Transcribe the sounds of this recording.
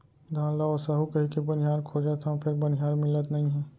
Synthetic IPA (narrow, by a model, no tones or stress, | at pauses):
d̪ʱãːnlaosəɦukɐɦikebɐnɪjaːɾkʰoːd͡ʒat̪ʰãpʰɪɾbɐnɪɦaːɾmɪlət̪nɐɦĩɦɛː